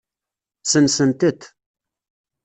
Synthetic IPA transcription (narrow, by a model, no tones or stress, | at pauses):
sənsənt̪ət̪